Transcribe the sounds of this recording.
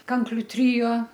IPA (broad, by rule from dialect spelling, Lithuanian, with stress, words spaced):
ˈkɐŋklʲʊ ˈtʲrʲoː